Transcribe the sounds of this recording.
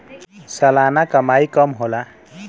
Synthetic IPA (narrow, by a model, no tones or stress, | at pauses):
sʌlanakʌmajkʌmɦola